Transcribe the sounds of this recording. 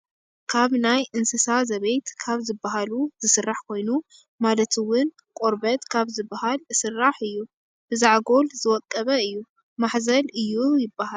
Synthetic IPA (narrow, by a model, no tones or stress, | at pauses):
kʰaβnajʔɨnsɨsazɐβejt̪kʰaβzɨbːaɦaluzɨsɨrːaħkʰo̞jnu | malɐt̪ʰɨwʊn | kʼoɾbɐt̪kʰaβzɨbːahalɨsɨrːaħɨjːu | b̥ɨzaʕɡo̞lzɨwɔt̪ʼːɐβɐɨjːu | maħzɐlɨjːujɪbːaha